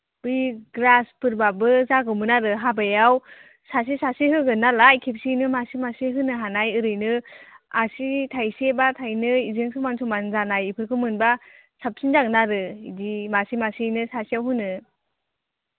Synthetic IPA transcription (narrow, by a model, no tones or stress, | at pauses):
b̥ɯjɡɾaspʰɯɾbabɯzaɡɯmɯnaɾɯɦabajaw | sas̬isasihɯɡɯnːalajkʰep̚sinɯmasimaseɦɯnɯɦanajɯɾɯjnɯasitʰajsebatʰajnɯizɯŋsɯmansʰumanzanajipʰɯɾkʰɯmɯnba | sap̚sinzaknaɾɯidimasimasinɯsasiawɦɯnɯ